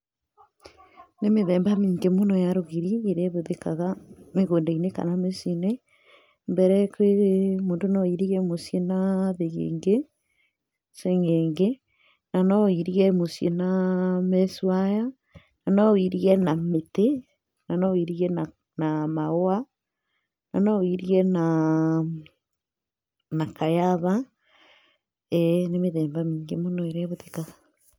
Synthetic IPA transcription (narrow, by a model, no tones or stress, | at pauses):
nemeðɛːmbamiːŋɡemonɔjaɾoɣiɾieɾeβoðekaɣameɣoːndaineka̰namesene | mbɛɾɛkweɾemoːndonɔiɾiɣɛmosjenaðeɣḛːŋɡe | seŋeːŋɡe | nanɔiɾiɣɛmosjenameswaja | nanɔwiɾiɛnamete | nanɔwiɾiɛn | namaoa | nanɔwiɾiɛna | nakajaβa | ɛnemeðɛːmbamiːŋɡemonoeɾɛβote̥ka